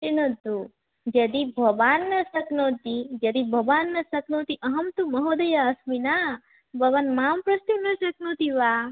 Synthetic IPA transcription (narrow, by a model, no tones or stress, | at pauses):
tinɐd̪u | d͡ʒɐd̪ibʱɐʋanːɐsɐknot̪id͡ʒɐd̪ibʱɐʋaːnːɐsɐknot̪iʔɐɦɐmt̪umɐɦod̪ɐjaːsmina | bʱɐʋanmaːmpɾɐst̪inɐsɐknot̪iʋa